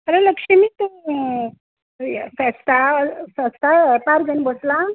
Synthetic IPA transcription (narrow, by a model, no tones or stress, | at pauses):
əɾeləkʂemit̪u | fəst̪ʰasə̃st̪ʰapaɾɡənbosla